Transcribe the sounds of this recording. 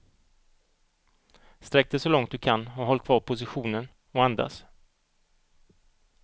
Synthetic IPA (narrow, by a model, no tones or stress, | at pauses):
st̪ɾɛk̚d̪ɛsɔlɔŋt̪̚d̪ɵkʰanɔɦɔl̚kʰvɑːɾpʰʊsɪɧuːnən | ɔand̪a̰s